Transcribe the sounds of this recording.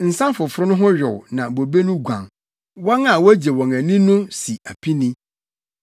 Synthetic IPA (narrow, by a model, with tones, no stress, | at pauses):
n̩˨sã˦nfʊ˨fʊ˦ɾʊ˦nʊ̃˦ɦʊ̃˦ɥᶣʊ̰˨wnã˨bo˨be˦nʊ̃˦ɡʷã̰˨ŋ | wɔ˦ŋa˨wɔ˦d͡ʑe˨wɔ̃˨ŋæ̃˨nĩ˦nʊ̃˦si˨æ˨pʰi˦nĩ˦